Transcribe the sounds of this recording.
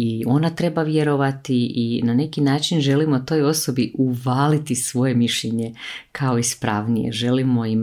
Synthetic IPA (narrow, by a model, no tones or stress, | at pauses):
io̞nat̪ɾe̞baʋje̞ɾo̞ʋat̪iinane̞kinaːt͡ʃinʒe̞limo̞t̪o̞ːjo̞so̞biʔuʋaːlit̪isʋo̞je̞miʃʎeɲe̞kʰao̞ispɾaːʋnijḛʒe̞limo̞im